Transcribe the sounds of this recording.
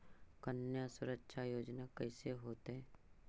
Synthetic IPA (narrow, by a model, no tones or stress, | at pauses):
kənjasʊɾəkʃʰajoːd͡ʒnakɐiseɦoːt̪eɦɛ̃ː